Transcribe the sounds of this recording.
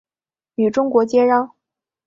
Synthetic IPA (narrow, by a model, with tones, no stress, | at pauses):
y˨˩ʈ͡ʂʊ˥ŋkwɔ˧˥t͡ɕjɛ˥ɻɑ˥ŋ